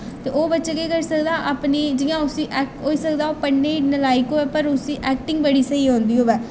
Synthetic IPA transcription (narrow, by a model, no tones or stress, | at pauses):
t̪eːʔoːbətːʃeːkekəɾsək̚d̪aːʔapniːd͡ʒɪjãːʊsĩːʔɛːk̚ʈɦoːiːsək̚d̪aːoːpəɳːeːnəlaːikoːɛːpəɾʊsĩːʔɛːk̚ʈɪŋɡ̚bəɽiːsəiːɦõːnd̪iːoːʋɛː